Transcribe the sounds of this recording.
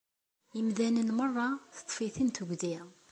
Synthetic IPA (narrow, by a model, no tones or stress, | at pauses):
əmðænənmərˤːɑθə̥t̪ˤːfiθint̪əɡði